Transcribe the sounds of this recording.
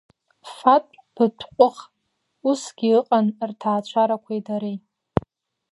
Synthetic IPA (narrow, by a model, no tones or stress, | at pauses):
fatʼ | b̥ɨtʷʰqʷʼʊχ | usɡ̥ʲiɨqʼanrtʰaːt͡ɕʷʰaɾakʷʰajdaɾej